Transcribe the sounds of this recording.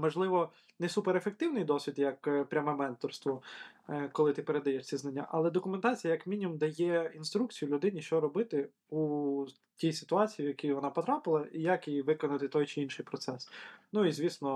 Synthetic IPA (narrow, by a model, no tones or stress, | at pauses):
mɔʒlˠɪʋɔ | nɛsupeɾefek̚t̪ɪwnɪjd̪ɔsʲʋʲid̪jɐkpɾʲamɛmɛnt̪ɔrst̪ʋɔ | kɔlˠɪt̪ɪpeɾed̪ɐjɛʃt͡sʲiznɐnʲːa̰ʔɐlˠɛd̪ɔkʊment̪ɑt͡sʲijɐjɐkmʲinʲimumd̪ɐjɛinst̪ɾuk̚t͡sʲijʊlʲʊd̪ɪnʲiʃt͡ʃɔɾɔbɪt̪ɪ | u | tʲijsɪ̥t̪ʊɑt͡sʲijiwjɐkijʋɔnɑpɔt̪ɾɑpɪlˠɐijɐkiʋɪkɔnɐt̪ɪt̪ɔjt͡ʃɪinʃɪjpɾɔt̪sɛsnuizʲʋʲisnɔ